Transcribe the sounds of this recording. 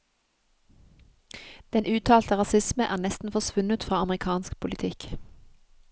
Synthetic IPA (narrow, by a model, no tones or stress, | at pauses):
d̪̥ɛnʉːt̪ʰɑːlt̪əʁɑsɪsməʔæːnɛst̪n̩fɔsʋʉnət̪fʁɑːɑmʁɪkʰɑːnskpʰʊlɪt̪ʰɪk